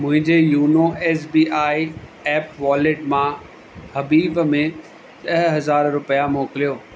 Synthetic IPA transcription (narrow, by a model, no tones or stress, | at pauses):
mʊ̃ɦɪ̃ɲd͡ʑejuːnoɛːs̬biːaːiɛːpʋaːleʈmã | hɐbiːbmẽ | ɗɐɦɦɐzaːɾɾʊpijamoːkɪlijoː